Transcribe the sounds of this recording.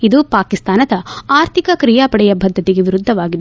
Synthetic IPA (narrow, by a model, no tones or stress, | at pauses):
id̪upaːkist̪aːnɐd̪ɐaːɾt̪ʰikɐkɾijaːpɐɽɛjɐbʱɐd̪ʱːɐt̪iɡe̞ʋiɾud̪ʱːɐʋaːɡid̪